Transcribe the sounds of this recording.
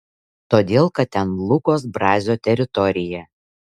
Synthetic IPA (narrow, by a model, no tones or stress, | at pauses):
t̪oːd̪ʲeːlˠkɐt̪̚t̪ʲɛnlˠʊkoːs̬bɾɑːzʲoːt̪ʲɛɾʲɪt̪ɔɾʲɪjɛ